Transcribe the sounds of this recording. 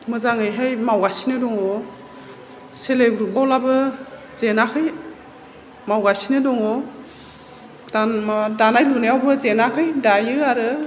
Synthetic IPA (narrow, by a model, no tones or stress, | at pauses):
mɯzaŋɯjɦajmawɡasinɯdɔŋɔ | selebɾubawlabɯ | z̥enakʰɯj | mawɡasinɯdɔŋɔ | d̥amdanajlunejawbɯzenakʰɯjdajɯaɾɯ